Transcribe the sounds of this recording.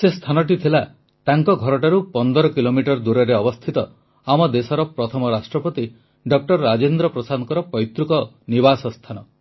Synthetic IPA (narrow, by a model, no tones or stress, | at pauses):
sest̪ʰanɔʈ̬it̪ʰila | t̪aŋkɔɡʱɔɾɔʈaɾupɔnd̪ɔɾɔkilomiʈɔɾd̪uɾɔɾeɔbɔst̪ʰit̪ɔ | amɔd̪esɔɾɔpɾɔt̪ʰɔmɔɾasʈɾɔpɔt̪i | ɖɔk̚ʈɔɾɾad͡ʒend̪ɾɔpɾɔsanɔkɔɾɔpɔjt̪ɾukɔ | nibasɔst̪ʰanɔ